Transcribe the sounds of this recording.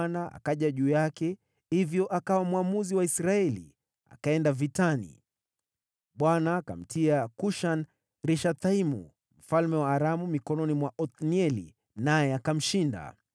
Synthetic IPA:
naa̰kaʄaʄuːjakɛ | hivjɔʔakawamwamuziwaisɾaɛlḭ | a̰kaɛndavitanḭ | ɓwanaːka̰m̩tʰiakuʃan | ɾiʃat̪aimṵ | m̩falmɛwaːɾamumikɔnɔnimwaʔɔt̪niɛlḭ | najɛakam̩ʃinda̰

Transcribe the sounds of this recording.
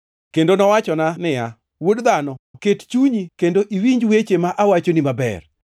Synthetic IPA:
kendonɔwat͡ʃɔnanɪja | wodd̪anɔkett͡ʃuɲikendoʔiwiɲd͡ʒwet͡ʃemaʔawat͡ʃonimabɛ̰r

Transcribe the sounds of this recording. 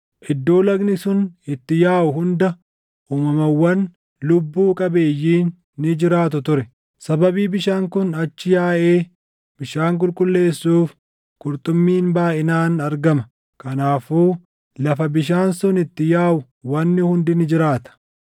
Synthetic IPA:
ʔɪd̪ːo̞ːlɐɡnɪsʊnɪt̪ːɪjaːʔʊɦʊnd̪ɐ | ʔuːmɐmɐwːɐn | lʊbːuːkʼɐbe̞ːjːiːnː | ɪd͡ʒɪɾaːt̪̬ʊt̪ʊɾɛ | sɐbɐbiːbɪʃaːŋkʊnɐt͡ʃːɪjaːʔe̞ː | bɪʃaːŋk̬ʼʊlkʼʊlːe̞ːsːuːf | kʼʊɾt̪ʼʊmːiːnbaːʔɪnaːnɐɾɡɐmɐ | kɐnaːfuː | lɐfɐbɪʃ̬aːnsʊnɪt̪ːɪjaːʔʊ | wɐnːɪhʊnd̪ɪnɪd͡ʒɪɾaːt̪ɐ̥

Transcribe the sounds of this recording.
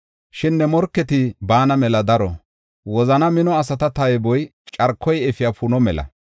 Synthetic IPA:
ʃɪnːɛmɔɾkːɛt̪ɪbaːnɐmɛlɐd̪ɐɾɔ̰ | wɔzɐnɐmɪnɔɐs̬ɐt̪ɐt̪ɐjbɔj | t͡ʃʼɐɾkʰːɔjɛfɪjafunɔmɛlɐ̰

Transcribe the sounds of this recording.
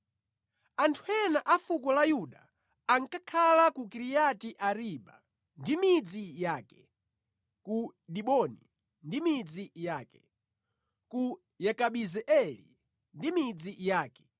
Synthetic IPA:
antʰuɛnaʔafukɔlajuɗaː | ŋkakʰalakukiɾijatiʔaɾiːɓa̰ | ndimid͡zijaːkɛ̥ | kuɗiɓɔnḭ | ndimid͡zijaːkɛ | ku | jɛkaɓizɛʔɛlḭ | ndimid͡zijaːkɛ̥

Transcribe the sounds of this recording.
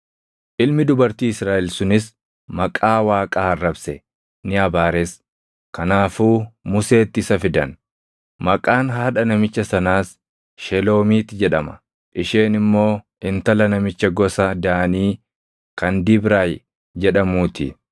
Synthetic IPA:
ʔɪlmɪd̪ʊbɐɾt̪iːɪsɾaːʔɛlsʊnɪs | mɐkʼaːwaːkʼaːɐrːɐbsɛ | nɪɐbaːɾɛs | kɐnaːfuːmʊse̞ːt̪ːɪɪsɐfɪd̪ɐn | mɐkʼaːnɦaːᶑɐnɐmɪt͡ʃːɐsɐnaːs | ʃɛlo̞ːmiːt̪ːɪd͡ʒɛᶑɐmɐ̥̰ | ʔɪʃeːnɪmːo̞ː | ɪnt̪ɐlɐnɐmɪt͡ʃːɐɡɔsɐd̪aːniː | kɐnd̪ɪbɾaːj | d͡ʒɛᶑɐmuːt̪ɪ̰

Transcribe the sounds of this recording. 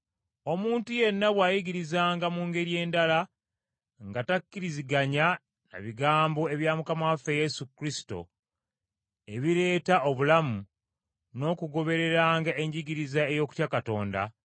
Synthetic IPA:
o̞muːntuje̞nːaβwaːjiɡiɾizaːŋɡamuːŋɡe̞ɾije̞ːndala | ŋɡatakːiɾiziɡaɲa | na̰βiɡaːmbo̞e̞βjamukamawafeje̞sukɾisi̥to̞̰ | e̞βiɾe̞ːtaʔoβulamu | no̞ːkuɡo̞βe̞ɾe̞ɾaːŋɡaʔeɲɟiɡiɾizae̞jo̞ːku̥tjakato̞̰ːnda̰

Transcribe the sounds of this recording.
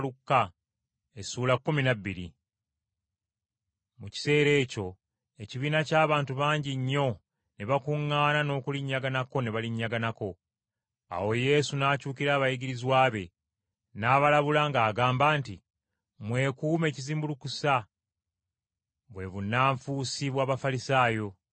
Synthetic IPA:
lukːa | esuːlakːuminabːiɾḭ | muci̥se̞ːɾe̞ːco̞ | e̞ciβiːnacaːβaːntuβaːɲɟiɲːo̞ | neβakuŋːaːnano̞ːkuliɲːaɡanako̞neβaliɲːaɡanako̞ | a̰wo̞je̞sunaːcuːkiɾaːβajiɡiɾizwaːβe̞ | naːβalaβulaŋɡaːɡaːmbaːnti | mwe̞ːkuːme̞ːciziːmbulukusa | βwe̞βunːaːɱfuːsiβwaːβafalisaːjo̞

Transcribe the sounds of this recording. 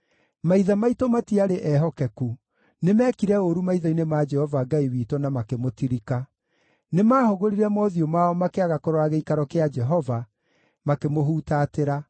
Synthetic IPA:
maiðamaitomatiaɾeʔɛɦɔkɛku | nemɛkiɾɛoɾumaiðainemaːd͡ʒɛhɔvaɡaiwiːtɔnamakemotiɾika | nemaːhoɣoɾiɾɛmɔðiomaɔmakeaɣakɔɾoaɣeikaɾɔkead͡ʒɛɦɔva | makemoɦuːtaːteɾa

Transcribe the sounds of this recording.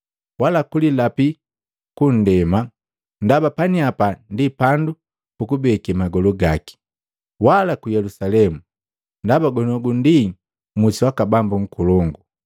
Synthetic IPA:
walakulilapi | kun̩dɛma | ndabapaniapandipandu | pukubɛkɛmaɡɔlɔɡaki̥ | walakujɛlusalɛmu | ndabaɡɔnɔɡundi | musuwakabambuŋ̩kulɔŋɡu

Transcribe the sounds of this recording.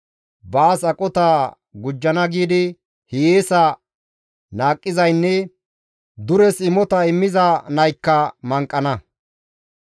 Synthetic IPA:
baːsɐkʼɔt̪aː | ɡʊd͡ʒːɐnɐɡiːd̪ɪ | hɪjeːsɐ | naːkʼːɪzɐjnːɛ | d̪ʊɾɛsɪmɔt̪ɐɪmːɪzɐnɐjkːɐmɐŋkʼːɐnɐ

